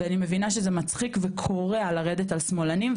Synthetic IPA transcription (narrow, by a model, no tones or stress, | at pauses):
animevinaʃezemat͡sχikvekʰo̞ʁealaʁed̪etalsmo̞lanim